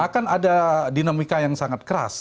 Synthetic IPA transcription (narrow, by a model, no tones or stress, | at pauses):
akanadadinamikajaŋsaŋat̪̚kəɾa̰s